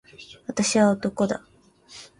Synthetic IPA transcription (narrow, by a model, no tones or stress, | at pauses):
βat̪aɕiβaot̪o̞ko̞d̪a̰